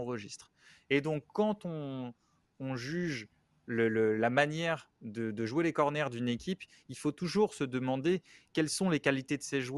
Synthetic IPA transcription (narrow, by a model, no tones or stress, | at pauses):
ɑ̃ʁəʒist̪χ | ed̪ɔ̃kːɑ̃t̪ɔ̃ː | ʒyʒ | lələlamanjɛʁd̪əd̪əʒwelekɔʁnɛʁd̪ynekʲʰip | ilfot̪uʒuʁsəd̪əmɑ̃d̪ekʲɛlsɔ̃lekalit̪ed̪əseʒw